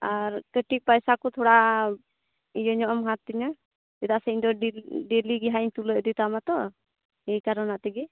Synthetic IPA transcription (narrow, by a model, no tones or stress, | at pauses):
aɾkəʈik̚pajsakɔt̪ʰɔɽaʔ | ijɔɲɔʔɔmɦat̪ːiɲa | d͡ʒɛd̪aʔsɛɲd̪ɔɖeliɡɛɦaɲt̪uləd̪it̪amat̪ɔ | ɛjkaɾɔnat̪ɛɡɛ